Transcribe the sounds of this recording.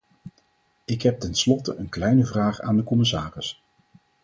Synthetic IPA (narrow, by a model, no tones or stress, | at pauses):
ɪkɦɛp̚tɛnslɔtəʔənklɛjnəvraːχa̰ːndəkɔmɪsaːrɪs